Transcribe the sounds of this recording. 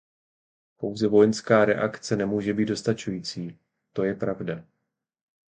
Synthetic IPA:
po̞wzɛvo̞jɛnskaːɾɛ̰ʔakt͡sɛnɛmuːʒɛbiːd̪do̞st̪at͡ʃujiːt͡siː | t̪o̞jɛpɾavda

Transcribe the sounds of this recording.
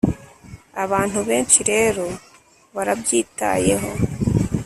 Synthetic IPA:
ɐβaːn̤̥uβẽːt͡ʃʰiɾeːɾu | ʋɐɾɐb̚d͡ʒiːt̪ːa̰ːjeːɦo

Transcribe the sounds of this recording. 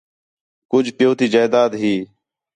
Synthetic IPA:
kʊd͡ʒʱpɪjoːt̪iːd͡ʒaːd̪aːd̪ɦiː

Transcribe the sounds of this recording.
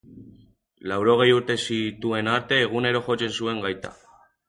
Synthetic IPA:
lawɾo̞ɣ̞e̞juɾt̪e̞sit̪ue̞naɾt̪e̞ːɣ̞une̞ɾo̞ʝo̞t͡se̞nsue̞ŋɡajt̪a̰

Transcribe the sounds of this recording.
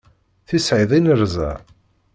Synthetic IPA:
θisʕiðˤinəɾzæ̰

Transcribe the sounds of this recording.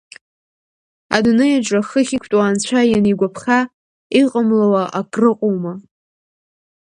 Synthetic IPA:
a̰dnɨjaʈ͡ʂʷʼaχəχʲikʷʰtʼwaːnt͡ɕʷʰajaniɡʷapʰχʲa | iqʼəmlawaʔakʼrɨqʷʼowma

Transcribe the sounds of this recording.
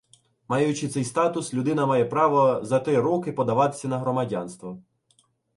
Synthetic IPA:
mɑjʊt͡ʃɪt̪sɛjst̪ɑt̪ʊslʲʊd̪ɪnɐmɑjɛpɾɑʋɔzɐt̪ɾɪɾɔkɪpɔd̪ɐʋɑt̪ɪ̥sʲːɐnɐɦɾɔmɐdʲɑnst̪ʋɔ

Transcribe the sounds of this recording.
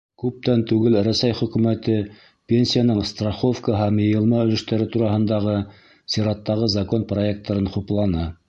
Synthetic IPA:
kʉp̚t̪ænt̪ʉɡɘlɾæsæjχɵ̆kʉmæt̪ɘ | pʲenʲsʲijanɤɴst̪raχo̞fkəɦæmjɤ̆jɤ̆lˠmɑɵ̆lɘ̆ʃt̪æɾɘt̪uɾɑɦɤ̆nd̪ɑʁɤ | sʲiɾɑt̪ːɑʁɤzɑko̞nproe̞k̚t̪ːɑɾɤnχuplˠɑnɑ

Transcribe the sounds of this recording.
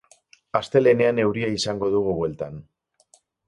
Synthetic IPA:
ast̪e̞le̞ne̞ane̞wɾiaisaŋɡo̞ð̞uɣ̞uβwe̞lt̪an

